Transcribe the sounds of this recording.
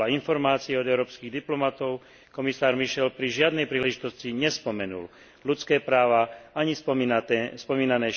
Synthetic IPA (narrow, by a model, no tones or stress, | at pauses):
ainfɔɾmaːt͡siɛɔd̪ɛʊɾɔːpskiɣd̪iplɔmat̪ɔʊ | kɔmisaːɾmiʃɛlpɾiʒɪad̪nɛjpɾiːlɛʒit̪ɔsciɲɛspɔmɛnṵl | lut͡skɛːpɾaːʋaaɲis | spɔmiːnanɛː